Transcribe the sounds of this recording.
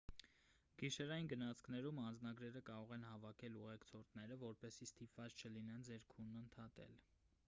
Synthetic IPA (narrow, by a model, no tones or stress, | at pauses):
ɡ̥iʃɛɾɑjinɡənɑt͡sʰkʰnɛɾumɑnd͡znɑɡɾɛɾəkɑɾɔʁɛnhɑvɑkʰɛluʁɛkt͡sʰɔɾt̪nɛɾəvɔɾpɛsist̪ipvɑt͡st͡ʃʰəlinɛnd͡zɛɾkʰunːənt̪ʰɑt̪ɛ̰l